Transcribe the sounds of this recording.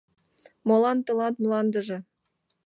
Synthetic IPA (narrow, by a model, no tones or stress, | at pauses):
molˠɑnt̪ɤ̆lˠɑnt̪mlˠɑnd̪ə̆ʒĕ